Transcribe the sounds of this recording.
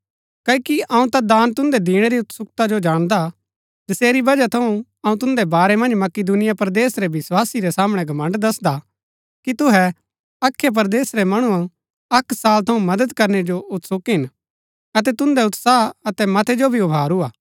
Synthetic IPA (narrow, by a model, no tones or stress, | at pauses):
kɐikiʔɐːũt̪ad̪aːnt̪ʊ̃nd̪ɛd̪iːɽ̃eɾiʊt̪sʊkt̪ad͡ʒod͡ʒaːɽ̃d̪a | d͡ʒ̪ɪseːɾibɐd͡ʒat̪ʰɐũ | ɐũt̪ʊ̃nd̪ɛbaːɾɛmɐ̃nd͡ʒmɐkid̪unɪjapɐɾd̪eːsɾɛbɪswaːsiɾɛsaːməɽ̃ɛɡʱɐmə̃ɳɖd̪ɐsd̪a | kit̪ʊɦɛ | ɐkʰːjep̬ɐɾd̪eːsɾɛmɐɽ̃uã | ɐksaːlt̪ʰɐũmɐd̪əd̪kɐɾned͡ʒoʔʊt̪sʊkɦɪn | ɐt̪ɛt̪ʊ̃nd̪ɛʊt̪saːɐt̪ɛmɐt̪ʰɛd͡ʒobʱiʊbʱaːɾuaː